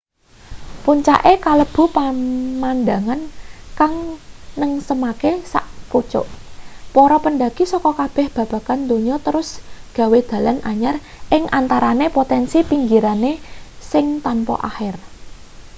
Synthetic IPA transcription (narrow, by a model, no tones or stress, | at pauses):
puɲt͡ʃa̰ʔekaləb̥ṳpamand̪a̤ŋankaŋnəŋsəmakesa̰ʔput͡ʃʊ̰ʔpɔɾɔpənɖaɡ̥isɔkɔkab̥ɛ̤hb̥a̤b̥ä̤kand̪o̤ɲɔt̪əɾʊsɡ̥a̤wed̪̥ä̤lanʔaɲar | ʔɪŋʔant̪aɾanepot̪ɛnsipiŋɡiɾanesɪŋt̪anpɔ̰ʔahɪr